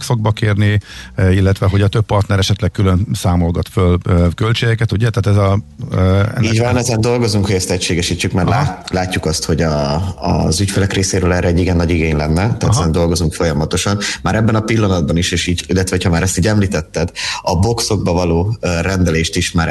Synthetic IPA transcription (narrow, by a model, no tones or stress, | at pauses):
ksoɡ̚bɒkeːrniilːɛt̪ʋɛɦo̞ɟɒt̪øpːɒrt̪nɛɾɛʃɛt̪lɛk̚kylønsaːmo̞lɡɒt̪følkølt͡ʃeːɡɛkɛt̪uɟɛt̪aːt̪ɛzɒ | ɛ̰nːiːɟvɒnɛzɛnd̪o̞lɡo̞zuŋkhoɟɛst̪ɛcʃeːɡɛʃiːt͡ʃːykmɛɾlalaːcːukɒst̪ho̞ɟɒ̰ | zycfɛlɛkreːseːɾøːlɛːrɛːɟːiɡɛnːɒɟiɡeːɲlɛnːɛt̪aːt̪ɛzɛnd̪o̞lɡo̞zuŋkfo̞jɒmɒt̪o̞ʃɒnmaːɾɛbːɛnɒpilːɒnɒd̪̚bɒniʃeːʃiːɟilːɛt̪ʋɛɦocʰhɒmaːɾɛst̪iːɟɛmliːt̪ɛt̪ːɛd̪ɒbo̞kso̞ɡ̚bɒvɒloːrɛnd̪ɛleːʃt̪iʃmaːɾ